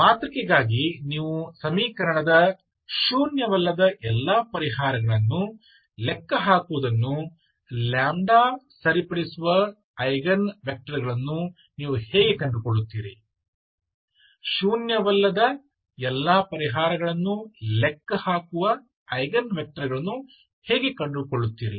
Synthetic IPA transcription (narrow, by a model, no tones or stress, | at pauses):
maːt̪ɾɐkːeɡaːɡiniːʋusɐmiːkɐɾɐɳɐd̪ɐ | ʃuːnjɐʋɐlːɐd̪ɐʔɛlːaːpɐɾiɦaːɾɐɡɐɭɐnːu | lɛkːɐɦaːkuʋɐd̪ɐnːu | laːmɖaːsɐɾipɐɽisuʋɐ | ɐjɡɐnʋɐk̚ʈɐɾiɡɐɭɐnːu | niːʋuhɛːɡe̞kɐɳɖukoɭːut̪ːiːɾi | ʃuːnjɐʋɐlːɐd̪ɐ | ɛlːaːpɐɾiɦaːɾɐɡɐɭɐnːulekːɐhaːkuʋɐ | ɐjɡɐnʋek̚ʈɐɾiɡɐɭɐnːu | heːɡe̞kɐɳɖukoɭːut̪ːiːɾi